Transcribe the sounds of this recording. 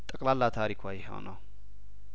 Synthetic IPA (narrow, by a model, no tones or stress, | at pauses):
t̪ʼəkʼlalːat̪ʰaɾikʰwajɪɦo̰nəw